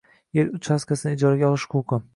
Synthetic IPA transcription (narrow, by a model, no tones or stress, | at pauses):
jelʊt͡ʃhaskʲʰasɪnɪɪd͡ʒɒɾaɡʲaɒlˠɪʃkʰoqʊ